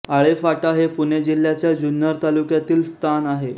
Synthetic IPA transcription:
aɭefaʈaɦepuned͡ʑil̤ːjat͡ɕjad͡ʑunjəɾt̪alukjat̪iːlst̪ʰanaɦe

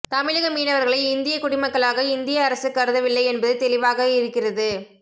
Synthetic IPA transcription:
t̪ɐmɪɻɐɣɐmiːnɐʋɐɾɣɐɭɐɪɪnd̪ɪjɐkʊɽɪmɐkːɐɭaːɣɐɪnd̪ɪjɐːɾɐsɯkːɐɾɯðɐʋɪlːɐɪɛnbɐðɯt̪ɛlɪʋaːɣɐɪɾɯkːɪrɐðɯ

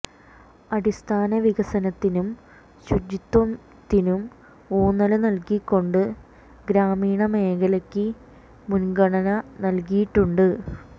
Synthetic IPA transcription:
ɐɽist̪ʰaːnɐʋiɡɐsɐnɐt̪ːinum | ɕud͡ʑit̪wɐm | t̪ːinum | oːnːɐlɐnɐlkikːo̞ɳɖɨ | ɡɾaːmiːɳɐme̞ːɡɐlɐkːɨ | munɡɐɳɐnɐnɐlkijiʈːuɳɖɨ

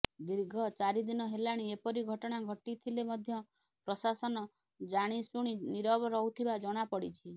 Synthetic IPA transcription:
d̪iɾɡʱɔt͡ʃaɾid̪inɔɦelaɽ̃iepɔɾiɡʱɔʈɔɽ̃aɡʱɔʈit̪ʰilemɔd̪ʱjɔ | pɾɔsasɔnɔ | d͡ʒaɽ̃isuɽ̃iniɾɔbɔɾɔut̪ʰibad͡ʒɔɽ̃apɔɽit͡ʃʰi

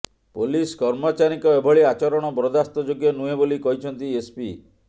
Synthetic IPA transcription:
poliskɔɾmɔt͡ʃaɾikɔebʱɔɭiat͡ʃɔɾɔɽ̃ɔbɾɔd̪ast̪ɔd͡ʒoɡjɔnuebolikɔɦit͡ʃʰɔnt̪iespi

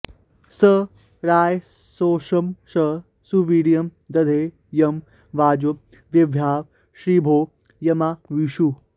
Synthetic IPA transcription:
sə | ɾaːj | soːʃɐmʃɐ | suʋiːɽijɐmd̪ɐd̪ʱeː | jɐm | ʋaːd͡ʒu | ʋjɐʋʱjaːʋ | ʃɾiːbʱoː | jɐmaʋiʃu

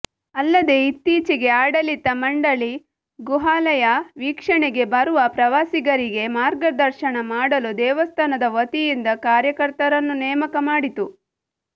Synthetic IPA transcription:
ɐlːɐd̪e̞it̪ːiːt͡ʃiɡe̞aːɽɐlit̪ːɐmɐɳɖɐɭi | ɡuɦaːlɐjɐʋiːkʂɐɳeɡe̞bɐɾuʋɐpɾɐʋaːsiɡɐɾiɡe̞maːɾɡɐd̪ɐɾʃɐɳɐmaːɽɐlud̪ɛːʋɐst̪ʰɐnɐd̪ɐʋɐt̪ijind̪ɐkaːɾjɐkɐɾt̪ɐɾɐnːunɛːmɐkɐmaːɽit̪u

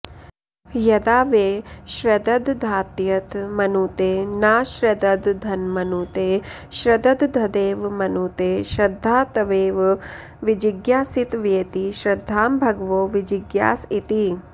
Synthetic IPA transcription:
jɐd̪aːʋeːʃɾɐd̪ɐd̪d̪ʱaːt̪jɐt̪mɐnuːt̪eːnaːʃɾɐd̪ɐd̪d̪ʱɐnmɐnuːt̪eː | ʃɾɐd̪ɐd̪d̪ʱɐd̪eːʋmɐnuːt̪eːʃɾɐd̪ʱːaːt̪ɐʋeːʋ | ʋid͡ʒiɡjaːsit̪ʋeːt̪iʃɾɐd̪ʱːaːmbʱɐɡʋoːʋid͡ʒiɡja̰ːsit̪i

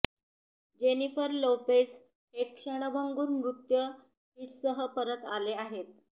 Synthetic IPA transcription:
d͡ʑenifəɾlowpes | hekʂəɽ̃əbʱəŋɡuːɾmɾut̪jə | ɦiʈsəɦəpəɾət̪aleaɦet̪̚

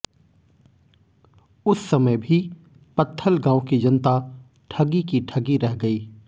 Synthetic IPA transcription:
ʊsːɐməjbʱi | pɐt̪ʰːəlɡãːõkid͡ʒɐnt̪a | ʈʰɐɡikiʈʰɐɡiɾɛɦɡɐiː

